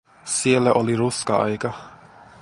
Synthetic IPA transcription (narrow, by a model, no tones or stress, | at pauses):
sielːæʔoliruskɑɑ̰jkɑ